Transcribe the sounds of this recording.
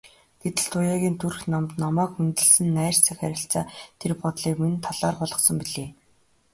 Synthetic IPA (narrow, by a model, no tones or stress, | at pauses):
ɡ̥et̪ɘ̆ɮt̪ʰʊjaːɣʲiːnt̪ʰurxnamt̪nɔmɔːkmɵnt̪ɘ̆ɮsɘ̆nːæːr̥t͡sʰæ̆xæɾʲɪ̆ɬt͡saːt̪ʰerpɔt̪ɮiːkment̪ʰːaɮaːrpɔɮʁɞ̆χsɞ̆mpiɮeː